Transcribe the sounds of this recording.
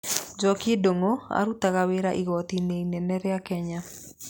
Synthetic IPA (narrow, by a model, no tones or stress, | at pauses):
d͡ʒɔkedoŋoa̰ɾutaɣaweɾaʔiɣɔt̪ineinɛnɛɾeakɛɲa